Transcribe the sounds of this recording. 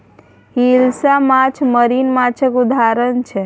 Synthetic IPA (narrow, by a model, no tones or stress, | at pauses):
hilsamat͡ʃʰməɾinmat͡ʃʰəkud̪ʱaɾənt͡ʃʰɛ